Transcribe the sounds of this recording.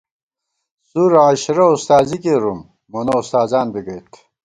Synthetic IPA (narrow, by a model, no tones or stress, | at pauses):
suɾaɕɾɐust̪aːzikeɾumː | ɐnɐust̪aːzaːnbiɡɐjt̪ʰ